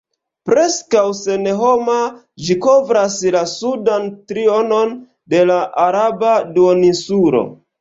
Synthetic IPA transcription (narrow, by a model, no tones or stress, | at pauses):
pɾe̞skawse̞neɦo̞ma | d͡ʒiko̞vɾaslasudantɾio̞no̞n | de̞laʔaɾabaduonisuɾo̞̰